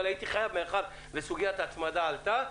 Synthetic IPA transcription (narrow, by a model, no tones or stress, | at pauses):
lait̪iχajavmeχad | besuɡijat̪at̪mad̪aːlt̪a